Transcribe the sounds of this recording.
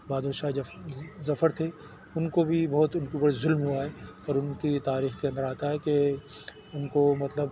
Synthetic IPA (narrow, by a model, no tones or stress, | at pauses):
baːd̪oːʃa | zɐfəɾt̪ʰe | ʊnkobʱibɔɦʊt̪ʊnkibɐɽzʊlmɦuaɦɛɔːɾʊnkit̪aːɾiːxkeɐ̃nd̪əɾaːt̪aɦɛke | ʊnkomɐt̪ləb